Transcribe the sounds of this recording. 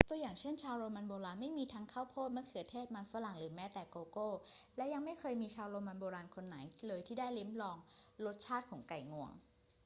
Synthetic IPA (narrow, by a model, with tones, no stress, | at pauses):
t̪u˧əjaː˨˩ŋt͡ɕʰe˥˩nt͡ɕʰaː˧wɾoː˧ma˧nboː˧ɾaː˧nma˥˩jmiː˧t̪ʰaː˦˧˥ŋkʰaː˥˩wpʰoː˥˩t̪̚mɯ˥˩ɐkʰɯ˨˩ət̪ʰeː˥˩t̪̚ma˧nfa˧˥la˨˩ŋɾɯː˩˦mɛː˦˥t̪ɛː˨˩koː˧koː˥˩lɛ˦˥ja˧ŋma˥˩jkʰɤː˧jmiː˧t͡ɕʰaː˧wɾoː˧ma˧nboː˧ɾaː˧nkʰo˧nːa˩˦jlɤː˧jt̪ʰiː˥˩daː˥˩jli˦˥mlɔː˧ŋlo˦˥t̪̚t͡ɕʰaː˥˩t̪̚kʰɔː˩˦ŋka˨˩jŋu˧˩əŋ